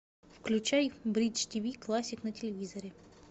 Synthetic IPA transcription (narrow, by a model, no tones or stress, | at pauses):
fklʲʉt͡ɕajbɾʲit͡ʃtʲivʲiklˠasʲɪknətʲɪlʲɪvʲizəɾʲɪ